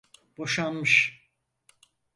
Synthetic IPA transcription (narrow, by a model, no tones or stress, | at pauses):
b̥o̞ʃanmɯʃ